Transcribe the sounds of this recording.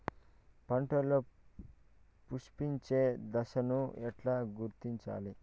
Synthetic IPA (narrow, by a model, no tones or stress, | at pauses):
pɐɳʈoloː | puʂpiɲt͡ʃe̞ːd̪ɐʃɐnuɛʈlaːɡuɾt̪iɲt͡ʃa̰ːli